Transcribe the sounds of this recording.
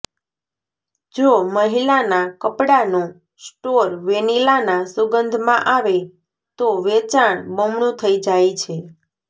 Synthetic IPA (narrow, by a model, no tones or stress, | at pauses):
d͡ʒoməɦilanakəpɽanũ | sʈoɾʋenilanãsʊɡənd̪ʱmãʔaʋe | t̪oʋet͡ʃaɳ̃bəmɳũt̪ʰəid͡ʒajt͡ʃʰe